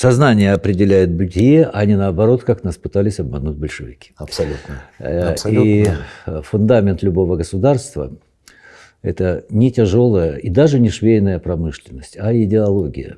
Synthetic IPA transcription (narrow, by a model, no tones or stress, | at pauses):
sɐznanʲɪjəɐpɾʲɪdʲɪlʲæjɪt̪̚bʊdʲjeʔɐnʲɪnəːbɐɾo̞t̪kaknaspɨt̪alʲɪsʲɐb̚mɐnut̚ʲbəlʲʂɨvʲɪkʲi̥ɐsɐlʲut̪nəsi | fʊnd̪amʲɪnt̪lʲʊbo̞vəɡəsʊd̪arst̪və̰ | ɛt̪ənʲɪtʲɪʐo̞lˠəjəʔid̪aʐɨnʲɪʂvʲejɪnəjəpɾɐmɨʂlʲɪnːəsʲtʲɐɪdʲɪɐlˠo̞ɡʲɪ̰jə̰